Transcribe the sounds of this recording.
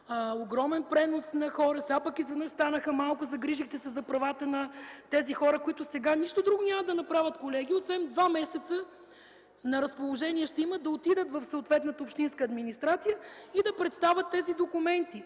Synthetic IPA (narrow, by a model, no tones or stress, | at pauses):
oɡɾɔmɛnpɾɛnosnɐxɔɾəsɛapəkizvɛd̪nəʃst̪anəxəmalˠkʊzɐɡɾiʒixt̪ɛsɛzɐpɾɐvat̪ənɐt̪ɛzixɔɾəkoit̪ʊsɛɡaniʃt̪ʊd̪ɾuɡʊnʲaməd̪ɐnɐpɾavʲət̪kolɛɡ̟ʲiot̪svɛnd̪vamɛsɛt̪sə | nɐɾɐspolˠoʒɛniɛʃt̪ɛiməd̪ɐot̪id̪ət̪vɐfsoot̪vɛt̪nət̪əopʃt̪inskəːd̪minist̪ɾat̪sijəid̪ɐpɾɛt̪st̪avʲət̪ːɛzid̪okʊmɛnt̪i